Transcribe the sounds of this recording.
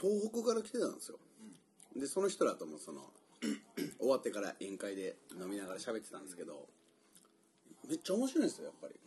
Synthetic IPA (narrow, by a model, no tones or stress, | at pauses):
t̪o̞ːɦokɯ̟ɡaɾakʲi̥t̪e̞t̪ã̰nd̪esɨjo̰ | d̪e̞so̞no̞çi̥t̪o̞ɾat̪omo̞so̞no̞̰ | oβat̪ːe̞kaɾa̰ʔẽ̞ŋkaid̪e̞no̞mʲinaɡaɾaɕabe̞t̪ːet̪ãnd̪esɨ̥ke̞d̪o̞̰ | me̞t͡ɕːaomo̞ɕiɾo̞ĩnesɨjojapːa̰ɾʲḭ